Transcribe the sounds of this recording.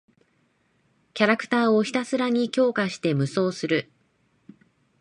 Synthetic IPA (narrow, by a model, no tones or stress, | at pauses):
kʲaɾakɯ̟̥t̪aːo̞çi̥t̪asɨɾaɲ̟ikʲo̞ːkaɕi̥t̪e̞mɯ̟so̞ːsɨɾɯ̟